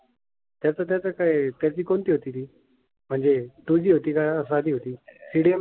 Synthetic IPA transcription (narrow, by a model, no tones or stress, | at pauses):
t̪jat͡sat̪̬jat͡sakait̪jat͡ɕiːkont̪iːɦot̪iːt̪iː | m̤əɳd͡zet̪ud͡ʑiːɦot̪iːkaas̬ad̪iːɦot̪iːsiɽem